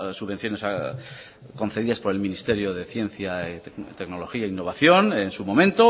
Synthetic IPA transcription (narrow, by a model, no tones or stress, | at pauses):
suβe̞nθjo̞ne̞sa | ko̞nθe̞ðiðaspo̞ɾe̞lminist̪e̞ɾjo̞ðe̞θje̞n̟θjaet̪e̞kno̞lo̞xiainːo̞β̞aθjo̞nensumo̞mẽnt̪o